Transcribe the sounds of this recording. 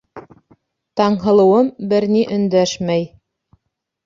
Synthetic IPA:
t̪ɑɴɦɤ̆lˠɤ̆wɤmbɘ̆ɾniʔɵ̆nd̪æʃmæj

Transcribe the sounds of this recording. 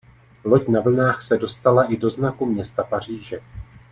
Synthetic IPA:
lo̞cnavl̩naːxsɛdo̞st̪alaʔɪdo̞znakumɲɛst̪apar̝iːʒɛ

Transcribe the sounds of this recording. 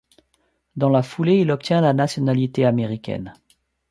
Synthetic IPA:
d̪ɑ̃lafuleilɔp̚t̪jɛ̃lanasjɔnalit̪eameʁikʲɛ̰n

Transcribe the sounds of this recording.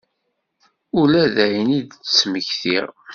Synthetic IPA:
ulæðæjnid̪t͡sːməçθḭʁ

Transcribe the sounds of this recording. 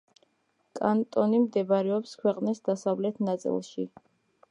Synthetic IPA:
kʼant̪ʼɔnimd̪ɛbaɾɛɔpskʰwɛqʼnisd̪asavlɛt̪ʰnat̪sʼḭlˠʃi

